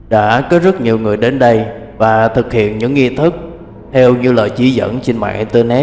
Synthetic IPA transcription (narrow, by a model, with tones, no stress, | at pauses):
ɗa̰ː˧˥kɔ˨˦zə˦˥t̚ɲi˨˩əwŋɨ˨˩əjɗe˨˦nɗə˧j | vaː˨˩t̪ʰɨ˨˩k̚hḭ˧˨ənɲɨ̰˧˥ŋːi˧t̪ʰɨ˦˥k̚ | t̪ʰɛ˧wɲɨ˧ləː˨˩jt͡ɕi˧˩zə̰˧˥nt͡ɕe˧nma̰ː˧˨ŋʔt̪e˧nɛ˦˥